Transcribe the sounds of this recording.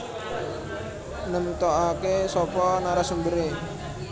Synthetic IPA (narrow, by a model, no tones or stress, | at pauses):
nəmt̪ɔʔakesɔpɔnaɾasumbəɾe